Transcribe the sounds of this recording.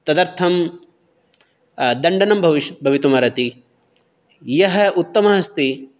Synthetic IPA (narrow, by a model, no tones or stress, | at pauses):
t̪ɐd̪ɐɾt̪ʰɐm | d̪ɐɳɖɐnɐmbʱɐʋiʃbʱɐʋit̪umɐɾɐt̪i | jɐɦɐ̆ut̪ːɐmɐɦɐst̪i